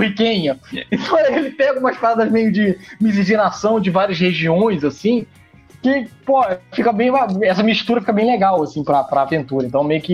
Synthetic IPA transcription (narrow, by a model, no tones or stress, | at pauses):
hikẽɲɐẽt̪ɐ̃w̃elɪt̪ẽaɡɐũmɐspaɾad̪ɐzmejʊd͡ʒɪmiz̬iʒinasɐ̃w̃d͡ʒɪvaɾiɐsheʒiõj̃zasĩ | kɪpofikɐbẽj̃aɛsɐmiʃt̪uɾɐfikɐbẽj̃leɡawasĩpɾɐpɾɐːvẽnt̪uɾɐẽnt̪ɐ̃w̃mejʊkɪ